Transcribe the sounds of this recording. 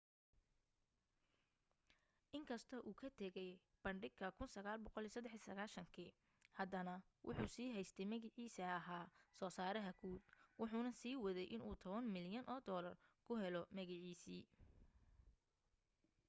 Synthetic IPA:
ʔɪŋkʰɐst̪ʰɐʔuːkʰɐt̪ʰɛɣɛj | b̥ɐɳɖɪɡkʰɐkʰʊnsɐɣaːlbɔqɔliːsɐd̪ːɛħisɐɣaːʃɐŋkʰiː | hɐd̪ɐnɐ | wʔʊ̰ħuːsiːɦɛjst̪ʰɛjmɐɣɪʕiːsɐɐɦaːsɔːsaːɾɐɦɐɡʰuːd̪̚wʊħuːnɐsiːwɐðɛjʔɪnuːt̪ʰɔβɐnmɪljɐnʔɔːd̪ɔːlɐ̰rkʰʊɦɛlɔmɐɣɪʕiːsiː

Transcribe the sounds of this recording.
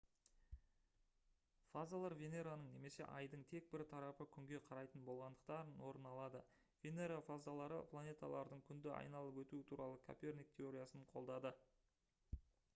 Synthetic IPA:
fazalˠaɾvʲene̞ɾanəɴne̞me̞se̞̰ʔɑjd̪əɴt̪ʰe̞k̚bɪɾt̪ʰɑɾɑpəkʲʰʏŋɡʲe̞qʰɑɾɑjt̪ənbo̞lˠʁɑnd̪əqt̪ɑɾənwo̞ɾənɑlˠɑd̪ə | vʲe̞ne̞ɾafazalˠɑɾə̰pʰlˠanʲe̞t̪a̰lˠɑ̰ɾd̪əɴkʲʰʏnd̪ɪʔɑ̰jnɑlˠəpwɵt̪uɪt̪ʰuɾɑlˠəkʲʰopʲe̞rnijk̚t̪ʲʰe̞o̞ɾʲijasəɴqʰo̞lˠd̪ɑd̪ə

